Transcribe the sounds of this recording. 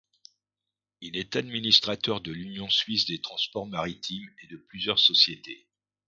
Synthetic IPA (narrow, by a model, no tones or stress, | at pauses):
ilɛt̪ad̪minist̪χat̪œʁd̪əlynjɔ̃sɥisd̪et̪χɑ̃spɔʁmaʁit̪ʰimed̪əplyzjœʁsɔsjet̪e